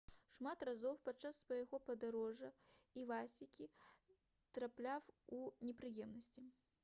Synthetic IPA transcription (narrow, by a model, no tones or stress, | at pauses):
ʂmat̪razɔwpatt͡ʂːasːvɐjaɣɔpɐd̪aɾɔʐɐivasʲikʲi | t̪ɾaplʲawunʲɛpɾɨjɛmnɐsʲt͡sʲi